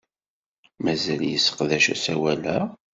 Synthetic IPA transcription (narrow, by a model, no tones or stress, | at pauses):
mæzæljəsːə̥qðæʃæ̰sæwælæ